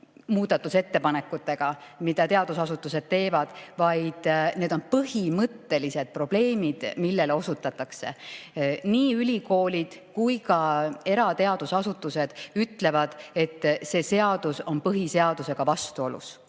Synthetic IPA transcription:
muːd̪̥ɑt̪ːuse̞t̪ːe̞pɑne̞kːˑut̪ːˑe̞ɡ̥ɑmid̪̥ɑt̪e̞ɑd̪̥usɑsut̪ːˑuse̞d̪̥̚t̪e̞ːvɑd̪̥vɑjd̪̥ne̞ːd̪o̞npɤɦimɤt̪ːe̞lise̞d̪̥̚pro̞b̥le̞ːmid̪̥milːe̞leo̞sut̪ːˑɑt̪ːˑɑkse̞̰ | niːylʲiko̞ːlʲid̪̥kujkɑe̞ɾɑt̪e̞ɑd̪̥usɑsut̪ːˑuse̞d̪̥yt̪le̞vɑd̪̥e̞t̪ːse̞ːse̞ɑd̪̥uso̞npɤɦise̞ɑd̪̥use̞ɡ̥ɑvɑst̪uo̞lṵs

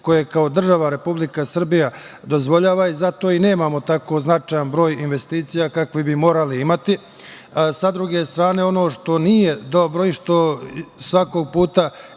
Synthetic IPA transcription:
ko̞jekao̞d̪r̩ʒaʋaɾe̞publikasr̩bija | d̪o̞zʋo̞ʎaːʋaizat̪o̞ːine̞ːmaːmo̞t̪ako̞znat͡ʃajanbɾo̞ːjinʋe̞st̪iːt̪sijakakʋibimo̞ːɾaliimat̪i | sad̪ɾuɡe̞st̪ɾaːne̞o̞no̞ːʃt̪o̞nijed̪o̞bɾo̞iʃt̪o̞sʋako̞ɡ̚puːt̪a

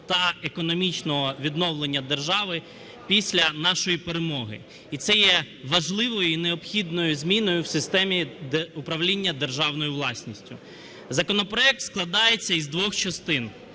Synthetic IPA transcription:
t̪ɐekɔnɔmʲit͡ʃnɔɦɔʋʲid̪nɔwlˠe̞nʲːɐd̪erʒɑʋɪ | pʲisʲlʲɐnɑʃɔjipeɾemɔɦɪ̰ | it̪sɛjɛ | ʋɐʒlˠɪʋɔjʊineɔpxʲid̪nɔjʊzʲmʲinɔjʊwsɪst̪ɛmʲiʊpɾɐʋlʲinʲːɐd̪erʒɑwnɔjʊʋlˠɑsʲnʲisʲtʲʊ̰ | zɐkɔnɔpɾɔɛk̚t̪sklˠɐd̪ɑjet͡sʲːɐizd̪ʋɔxt͡ʃɐst̪ɪn

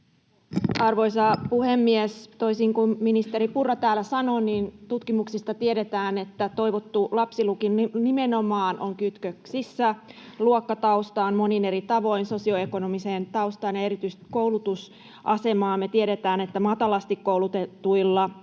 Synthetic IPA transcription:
ɑrʋo̞jsɑpuhemːiest̪o̞isiŋkumminist̪e̞ɾipurːɑt̪æːlæsɑno̞niːnt̪ut̪kimuksist̪ɑt̪ieɾet̪æːne̞t̪ːæt̪o̞jʋot̪ːulɑpsilukinnimeno̞mɑːnʔoŋkyt̪køksisːæluokːɑt̪ɑust̪ɑːnmo̞nine̞ɾit̪ɑʋo̞inso̞sio̞e̞ko̞nomiseːnt̪ɑust̪ɑːnjɑe̞ɾit̪yist̪i̥ko̞wlut̪us | ʔɑse̞mɑːmet̪ieɾet̪æːne̞t̪ːæmɑt̪ɑlɑst̪ikkowlut̪et̪uilːɑ

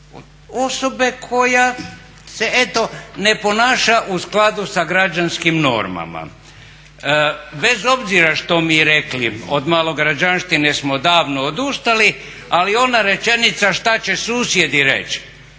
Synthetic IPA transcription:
o̞sobe̞kʰo̞ja | se̞ʔet̪o̞ne̞po̞naːʃaʔusklˠad̪usaɡɾad͡ʒanskimno̞̰ɾma̰ma̰ | be̞zo̞bziɾaʃt̪o̞miɾeklio̰d̪malo̞ɡɾad͡ʒanʃt̪inesmo̞d̪aːʋnoːd̪ust̪ali | alio̞naɾe̞t͡ʃe̞nit̪saʃt̪at͡ɕe̞suːsjed̪iɾḛt͡ʃ

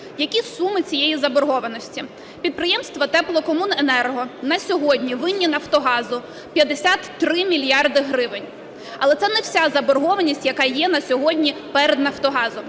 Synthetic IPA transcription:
jɐkʲisumɪt͡sʲijejizɐbɔrɦɔʋɐnɔsʲtʲi | pʲid̪̚pɾɪjɛmst̪ʋɐt̪ɛplˠɔkɔmunenɛrɦɔnɐsʲɔɦɔdʲnʲiʋɪnʲːinɐwt̪ɔɦɑzʊ | pʲjɐd̪esʲat̪ːɾɪmʲilʲjɑrd̪ɪɦɾɪʋɪnʲ | ɐlˠɛt̪sɛnɛw̥sʲazɐbɔrɦɔʋɐnʲisʲtʲjɐkɑjɛnɐsʲɔɦɔdʲnʲipɛɾed̪nɐwt̪ɔɦɑzʊ

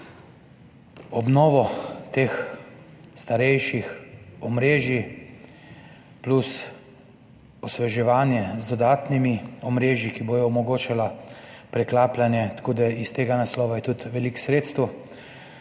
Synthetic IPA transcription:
ɔbnɔːʋɔt̪eːx | st̪aɾɛjʃixɔmɾeːʒi | plus | ɔsʋɛʒɛʋaːnjɛzd̪ɔd̪aːt̪nimiɔmɾeːʒjikiboːjɔɔmɔɡoːt͡ʃalapɾɛklaːplanjɛt̪koːd̪aist̪eːɡanaslɔːʋajɛt̪ut̪ʋɛliksɾeːt̪st̪əw

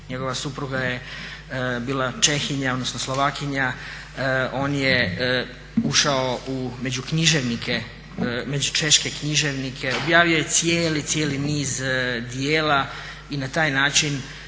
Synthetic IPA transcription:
ɲe̞ɡo̞ʋasupɾuɡaje | biːlˠat͡ʃe̞xiɲaod̪nosnoslˠoʋakiɲa | o̞ːnje | uʃaoume̞d͡ʑukɲiʒeʋnikʰe | me̞d͡ʑut͡ʃe̞ʃke̞kɲiʒe̞ʋnikʰe̞o̞bjaːʋijo̞je̞t̪sijeːlit̪sjeːliniːzd̪ieːla | inat̪aːjnaːt͡ʃin

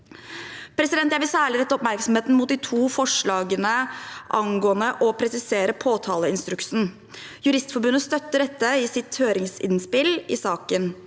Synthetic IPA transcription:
pʰɾɛsɪd̪ɛnt̪jæʋɪlsæːɭɪɾɛt̪ːəɔpmæɾksɔmheːt̪n̩mʊt̪̚d̪ɪt̪ʰuːfɔʂɭɑːɡənəʔɑŋɡoːənəʔɔpʰɾɛsɪseːɾəpʰoːt̪ʰɑːləɪnst̪ɾʉksn̩ | jʉɾɪst̪fɔɾbʉnːəst̪œt̪ːəɖɛt̪ːəɪsɪt̪høːɾɪŋsɪ̰nspɪlɪ̰sɑːkən

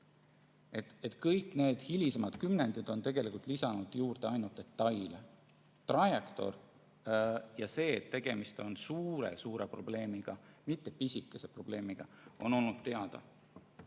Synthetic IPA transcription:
et̪et̪ˑkɤjkːˑne̞ːd̪̥hilʲisemɑd̪̥kymnenʲd̪̥id̪̥o̞nt̪e̞ɡ̥e̞likult̪lisɑnud̪̥juːrd̪eɑjnult̪ːe̞t̪ːˑɑjle | t̪rɑjekt̪o̞̰r | jɑse̞ːt̪ːe̞ɡ̥e̞mist̪o̞nsuːɾḛsuːɾe̞̰pro̞b̥le̞ːmiɡ̥ɑmit̪ːˑe̞pisʲikːˑese̞pro̞b̥le̞ːmiɡ̥ɑ | o̞no̞lnud̪̥t̪e̞ɑd̪̥ɑ̰

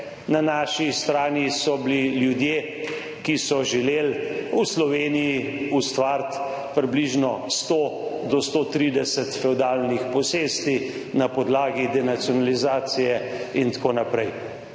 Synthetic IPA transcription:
nanaʃist̪ɾaːnisɔbliljud̪je | kisɔʒɛleːluslɔʋeːniji | ust̪ʋaːɾt̪ | pɾibliʒnɔst̪od̪ɔst̪ot̪ɾid̪ɛsɛt̪fɛud̪aːlnixpɔseːst̪i | napɔd̪laːɡid̪ɛnat̪sijɔnalizaːt̪sijɛint̪ḁkoːnapɾɛj

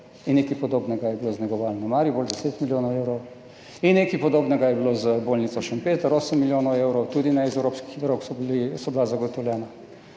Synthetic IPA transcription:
innːekipɔd̪oːbnɛɡajɛbiloznɛɡɔʋaːlnamaːɾjibold̪ɛseːt̪miljoːnɔwewɾɔw | inːekipɔd̪oːbnɛɡajɛbilozəboːlnit̪sɔʃənpeːt̪əɾoːsəmːiljoːnɔwewɾɔwt̪uːd̪inɛzɛwɾoːpski̥xd̪ɾoksɔblisɔbilazaɡɔt̪ɔwlʲjɛːna

